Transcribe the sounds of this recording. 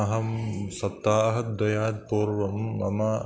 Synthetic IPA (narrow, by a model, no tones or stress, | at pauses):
ɐɦɐmsɐt̪ːaːɐɦɐd̪ɐjaːd̪̚poːɾʋɐmːɐ̰mɐ